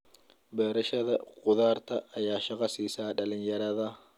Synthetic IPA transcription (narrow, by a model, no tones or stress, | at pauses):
bɛːɾɐʃɐðɐqʼʊðaːɾt̪ɐːjaːʃɐqʼɐsiːsaːᶑɐlɪnjɐɾɐðɐ